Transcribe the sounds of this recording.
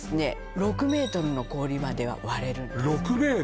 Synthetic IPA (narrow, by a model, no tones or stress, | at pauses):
sɨne̞ | ɾo̞kɯ̟me̞ːt̪o̞ɾɯno̞ko̞ːɾʲimad̪e̞βa̰βaɾe̞ɾɯ̟ɾokɯ̟meː